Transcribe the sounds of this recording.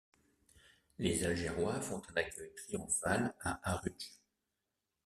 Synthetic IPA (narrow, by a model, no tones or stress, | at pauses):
lezalʒeʁwafɔ̃t̪ɛ̃nakʲœjt̪χijɔ̃falaʔaʁyk